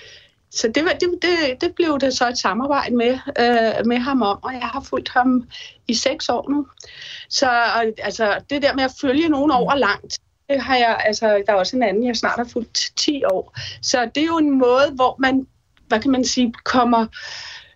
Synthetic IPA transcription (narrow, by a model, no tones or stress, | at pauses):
sɒ̽d̥e̝ʋɑd̥e̝d̥e̝d̥e̝b̥le̝ʊd̥esɒ̽e̝d̥sɑ̈mɑ̈ːb̥ɑ̈ɪ̰d̥əme | meɦɑ̈mɒ̽m̰ɒ̽jɑ̈ɪɦɑ̈ful̰d̥hɑ̈miseɡ̥sɒ̰ːnu | sɒ̽ɒ̽ælsɒd̥e̝d̥eɐmeæføljəno̝ːn̩ɒʊ̰ɐlɑ̈ŋ̰d̥ | d̥e̝ɦɑ̈jɑælsɒd̥ɑ̈ɒ̽səe̝nænn̩jɑ̈ɪsnɑ̰̈ːd̥hɑ̈ful̰d̥t͡sʰḭːɒ̰ːsɒ̽d̥e̝jo̝e̝nmɔ̽ːð̞̩ˠʋɒmæn | ʋækʰæmænsiːkʰɒ̽m̰ɐ